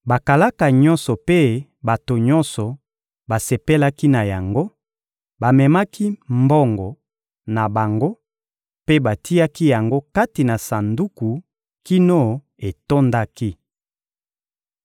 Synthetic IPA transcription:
ba˨ka˨la˦ka˨ɲɔ˦nsɔ˨pe˦ba˨to˨ɲɔ˦nsɔ˨ | ba˨se˨pe˦la˦ki˦na˨ja˨ŋɡo˦ | ba˨mɛ˨ma˦ki˦mbɔ˦ŋɡɔ˨ | na˨ba˨ŋɡo˦ | pe˦ba˨ti˦ja˦ki˦ja˨ŋɡo˦ka˦ti˨na˨sa˨ndu˦ku˨ | ki˦no˦ | e˨to˦nda˦ki˦

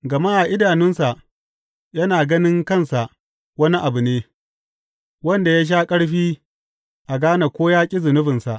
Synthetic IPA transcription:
ɡɐ˨ma˦ʔa˨ʔɪ˦daː˨nɪ˦nsa˨ʔ | jɐ˦naː˨ɡɐ˦nɪ˦ŋkɐ˦˨nsa˨ʔ | wɐ˦ni˦ʔa˨bʊ˨neː˦ | wɐ˦nda˨ja˦ʃ̬aː˦kʼɐ˦ɽɸiː˦ | ʔa˨ɡaː˦na˨kʷoː˦jaː˦kʲʼɪ˦zʊ˨nʊ˦ɸɪ˨nsa˨ʔ

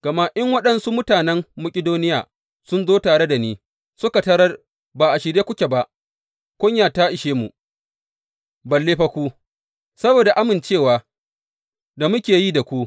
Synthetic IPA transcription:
ɡ̥ɐ˨ma˦ʔɪ˦ŋwɐ˦ɗɐ˦nsu˦mʊ˦taː˨nɛ˦mːʊ˦kʲʼɪ˦doː˦nɪ˦ja̰ː˨ | sʊ˦nzoː˦taː˨ɽe˦da˨niː˦ | sʊ˦ka˨tɐ˦ɾɐ˦r | baː˨ʔa˨ʃɪ˨ɽjeː˦kʷʊ˦kʲe˨ba˦ʔ | kʷʊ˦ɲjaː˨ta˦ʔɪ˨ʃeː˦mu˨ | bɐ˨lːeː˦ɸɐ˦kʷuː˦ | sɐ˦boː˨da˨ʔa˦mɪ˨nt͡ʃeː˦˨waː˨ | da˨mʊ˦kʲeː˨jiː˦da˨kʷu˦

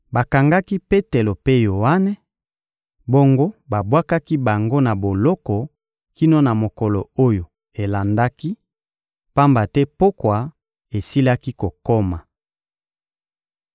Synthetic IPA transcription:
ba˨ka˨ŋɡa˦ki˦pe˦te˨lo˨pe˦jo˨a˦nɛ˦ | bo˦ŋɡo˦ba˨bwa˦ka˦ki˦ba˨ŋɡo˦na˨bo˨lɔ˦kɔ˨ | ki˦no˦na˨mo˨kɔ˨lɔ˨o˦jo˨ | e˨la˨nda˦ki˦ | pa˦mba˨tɛ˦po˦kwa˨ | e˨si˦la˦ki˦ko˨ko˦ma˨

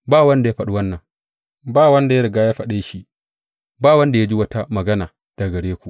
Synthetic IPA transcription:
baː˦˨wɐ˦nda˨ja˦ɸɐ˨ɗu˦wɐ˦nːɐ˨ŋ | baː˦˨wɐ˦nda˨ja˦ɽɪ˨ɡaː˦ja˦ɸɐ˨ɗeː˦ʃi˦ | baː˦˨wɐ˦nda˨ja˦d͡ʒi˦wɐ˦ta˦mɐ˨ɡɐ˦naː˨ | d̥a˨ɡɐ˨ɽeː˦kʷu˨ʔ

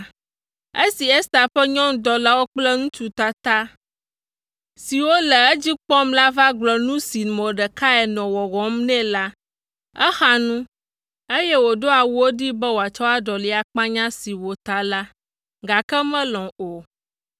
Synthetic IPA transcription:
e˦si˨ɛ˦st̪a˨ɸɛ˦ɲɔ̃˦ŋ̩˦d̪ɔ˨la˦wo˦k͡plɛ˦ŋũ˦t͡ʃu˨t̪a˦t̪a˦ | si˨wo˦lɛ˨ɛ˦d͡ʑi˦k͡pɔ˦mla˦va˦ɡ͡blɔ˨nũ˦si˨nmɔ̃˨ɖɛ˨ka˦ɛ˨nɔ̃˨wɔ˨ɣɔ̃˨˦mnɛ̃˦la˦ | ɛ˦xa˨nũ˦ | e˦jɛ˦wo˨ɖo˦a˨wu˦o˦ɖi˦bɛ˦wo˨a˨t͡ʃɔ˦a˦ɖɔ˨li˨a˨k͡pã˦ɲã˦si˨wo˨t̪a˨la˦ | ɡa˨kɛ˦mɛ̃˦lɔ̃˨o˨

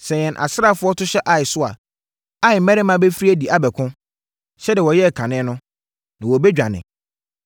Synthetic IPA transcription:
sɛ̃˨ɲɛ̃˨nʔa̰˨sɾa˦˨fʊ˦ɔ˦tʰʊ˦ɕɛ˦ʔa˨ɪ˨sʊ˦a̰˨ | a˦ɪ˨mæ̃˦ɪ˦mã˨be˦fɾi˦æ˦di˨a˨bɛ˨kʰʊ̃˦ | ɕɛ˦dɪ˨wɔ˨jɛ˦˨kʰã˨nɪ̃˦nʊ̃˦ | nã˨wɔ˨bɛ˦d͡ʑᶣã˨nɪ̰̃˨

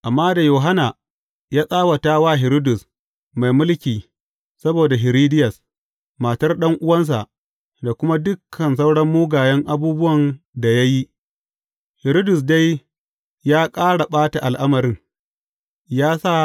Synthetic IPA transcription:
ʔa˨mːaː˦da˨joː˨ɦa˦na˨ | jaː˦sʼaː˦wa˨taː˦waː˦˨ɦɪ˨ɾo˦dʊ˨s | ma˨jmʊ˦lkʲiː˨ | sɐ˦boː˨da˨ɦɪ˨ɾiː˦dɪ˦jɐ˨s | maː˨tɐ˦rɗɐ˦ŋʔʊ˦wɐ˦ns̬a̰˨ʔ | da˨kʷʊ˦ma˦dʊ˦kʰːɐ˨ns̬a˦wɽɐ˦mːuː˦ɡaː˨jɛ˦ŋʔa˦buː˦bʊ˦wɐ˨n | da˨ja˦ji˦ʔ | hɪ˨ɾo˦dʊ˨s̬da˦j | jaː˦kʼaː˦ɽa˨ɓaː˦ta˨ʔa˨lʔa˦mɐ˨ɾɪ˦ŋ | jaː˦sa˦˨

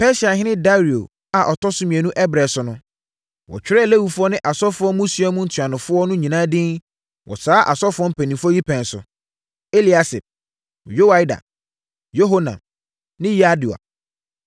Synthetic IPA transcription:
pɛ˦sa˨ɦɪ̃˦nɪ̃˦da˦ɾi˨o̰˨ | a˨ʔɔ˨tʰɔ˦sʊ˦mĩ˨ɛ˨nũ˦ʔɛ˦bɾɛ˨sʊ˨˦nʊ̃˦ | wɔ̰˨t͡ɕᶣɪ˦ɾɛ˦˨le˦wu˨fʊ˦ɔ˦nɪ̃˦ʔa˨sɔ˦fʊ˦ɔ˦mũ˦si˨˦a˦mũ˦n̩˦tʰɥa˨nʊ̃˨fʊ˦ɔ˦nʊ̃˦ɲĩ˨nã˦dɪ̃˦n | wɔ̰˨saː˨˦ʔa̰˨sɔ˦fʊ˦ɔ˦m̩˦pʰɛ̃˨nĩ˨mfɔ˦ji˦pʰɛ̃˨n˨sʊ̰˨ | e˦li˨a˨sɪ˨p̚ | jo˦wa˦jda̰˨ | jo˦ɦo˦nã̰˨ | nɪ̃˦ja˦du˨a̰˨

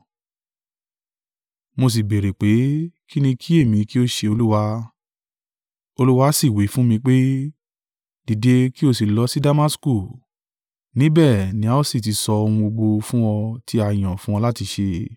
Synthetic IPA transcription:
mo˧s̬i˨be˨ɾe˨k͡pe˨˦ki˦nĩ˧kʰi˦e˦˨mĩ˧ki˦o˦ʃe˧o˧lu˦wa˧ | o˧lu˦wa˧˦si˦˨we˨˦fũ˦mĩ˧k͡pe˦ | d̥i˨de˧ki˦o˧si˨lɔ˨˦si˦da˦ma˦sku˦˨ | nĩ˦bɛ˦˨nĩ˨˦a˦o˦˨si˦˨t̬i˨˧˦sɔ˧o˧ũ˧o˧ɡ͡bo˧fũ˦wɔ˧ti˦a˧˨j̃ɔ̃˨fũ˦ɔ̃˧la˦ti˧ʃe˧

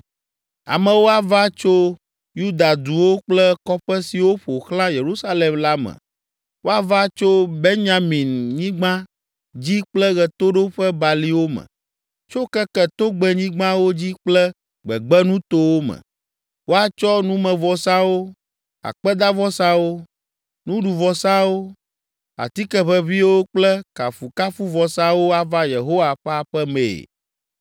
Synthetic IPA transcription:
a̰˨mɛ̃˨wo˦a˨va˦t͡ʃo˦ | ju˦d̪a˨d̪u˨wo˦k͡plɛ˦kɔ˦ɸɛ˦si˨wo˦ɸo˨xlã˦je˨ɾu˦sa˦le˨mla˦mɛ̰̃˨ | wo˦a˦˨va˦t͡ʃo˦be˦ɲã˨mĩ˨nɲĩ˦ɡ͡bã˦ | d͡ʑi˦k͡plɛ˦ɣɛ˨t̪o˦ɖo˦ɸɛ˦ba˨li˦wo˦mɛ̰̃˨ | t͡ʃo˦kɛ˦kɛ˦t̪o˦ɡ͡bɛ˨ɲĩ˦ɡ͡bã˦wo˦d͡ʑi˦k͡plɛ˦ | ɡ͡bɛ˨ɡ͡bɛ˦nũ˦t̪o˦wo˦mɛ̰̃˨ | wo˦a˨t͡ʃɔ˦nũ˦mɛ̃˨vɔ˨sã˦wo˦ | a̰˨k͡pɛ˦d̪a˦vɔ˦sã˦wo˦ | nũ˦ɖu˨vɔ˨sã˦wo˦ | a̰˨t̪i˦kɛ˦ɸɛ˦vi˦wo˦k͡plɛ˦ka˨fu˨ka˦fu˦vɔ˨sã˦wo˦a˨va˦je˨ɦo˦wa˨ɸɛ˦a˨ɸɛ˦mḛ˨

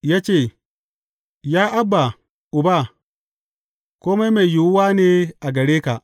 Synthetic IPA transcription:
jaː˦t͡ʃeː˦˨ | jaː˦ʔa˦bːa˨ | ʔʊ˨ba˦˨ | koː˦ma˦jme˨ju˨wwa˦neː˦ʔa˨ɡɐ˨ɽeː˦ka˨ʔ

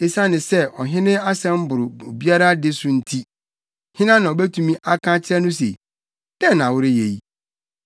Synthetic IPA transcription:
e˦sa˦nɪ̃˨sɛ˦ɔ˨ɦɪ̃˦nɪ̃˦a˦sɛ̃˦m̩˦bʊ˨ɾʊ˨o˨bi˦a˦ɾa˦dɪ˦sʊ˨n̩˦tʰi˦ | hɪ̃˦nã˦nã˨o˨be˦tʰũ˨mĩ˦ʔa˦kʰã˦t͡ɕʰɪ˦ɾɛ˦nʊ̃˦s̬ḛ˨ | d̥ɛ̃˦n˨wʊ˦ɾɪ˦je˨ji˦

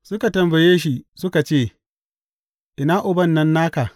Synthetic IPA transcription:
sʊ˦ka˨tɐ˨mbɐ˨jeː˦ʃ̬i˦sʊ˦ka˨t͡ʃeː˦˨ | ʔɪ˨naː˦ʔʊ˨bɐ˦nːɐ˦nːaː˦ka˨

